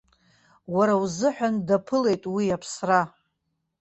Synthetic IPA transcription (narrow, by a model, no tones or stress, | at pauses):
waɾawzɨħʷᶣandapʰɨle̞jtʼwiapʰsra